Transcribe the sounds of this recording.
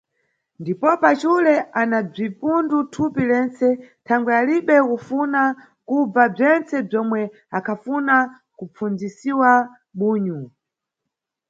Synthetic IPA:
ndipɔpat͡ʃulɛʔanab͡ʐipundutʰupilɛnt͡sɛtʰaŋɡwɛaliɓɛkufuna | kub͡vab͡ʐɛnt͡sɛb͡ʐɔmwɛ | akʰafuna | kup͡fund͡zisiwa | ɓuːɲu

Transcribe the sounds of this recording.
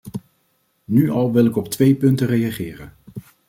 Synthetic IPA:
nyʔɑlˠʋɪlˠɪkɔp̚tʋejpɵntərejaχɪːrən

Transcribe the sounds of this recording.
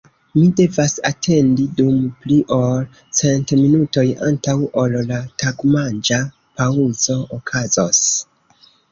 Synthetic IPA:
mide̞vasa̰tʰe̞ndidumpliʔo̞l | t͡sentminuto̞ja̰ntawolːataɡmand͡ʒa | pauz̥o̞okʰazos

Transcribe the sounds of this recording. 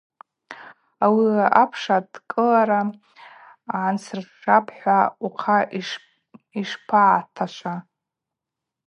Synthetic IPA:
awiaapʰʂadkʼɨlaɾa | ʕːnsʰɨrʂapʰħʷauqʰa | iʂpʰaʕːtʰaʃʷa

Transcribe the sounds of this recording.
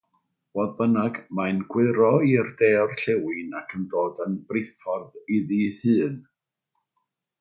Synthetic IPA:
wɔðbənaɡmajnɡwɪɾɔirdeːrɬɛwɪnakʰəndoːdənb̥rɪfɔrðiðihɨːn

